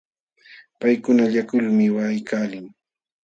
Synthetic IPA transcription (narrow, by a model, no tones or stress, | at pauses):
pajkʊnaʎakʊlmɪwajkaːlɪŋ